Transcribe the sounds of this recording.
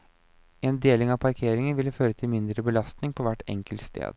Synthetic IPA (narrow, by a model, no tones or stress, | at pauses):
eːnd̪eːlɪŋɑʋpʰɑɾkʰeːɾɪŋənʋɪlːəføːɾət̪ʰɪlmɪnd̪ɾəbəlɑst̪nɪŋpʰɔʋæʈːɛ̰ŋkəlt̪st̪ḛːd̪